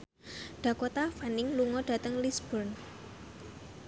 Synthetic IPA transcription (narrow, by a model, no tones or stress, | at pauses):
ɖ̥a̤kot̪afanɪŋluŋɔɖ̥ä̤t̪əŋlisb̥ɔrn